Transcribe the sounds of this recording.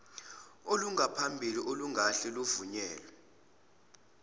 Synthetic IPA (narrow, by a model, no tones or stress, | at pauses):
oluŋʱapʰambʱiliʔoluŋʱaɬɛluvuɲɛːlɛ